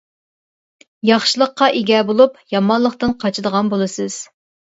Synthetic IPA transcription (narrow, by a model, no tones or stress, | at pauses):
jɑχʃɨlˠəqːɑʔeɡʲɛbolˠupjɑmɑnlˠəχt̪ɨnqʰɑt͡ʃʰɨd̪əʁɑnbolˠɨsɨz̥